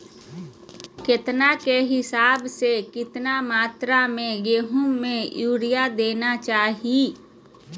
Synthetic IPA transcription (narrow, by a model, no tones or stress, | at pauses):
kɪt̪nakeɦɪsaːbsekɪt̪namaːt̪ɾamẽɡeːɦʊmːẽjuːɾijad̪eːnat͡ʃaːɦi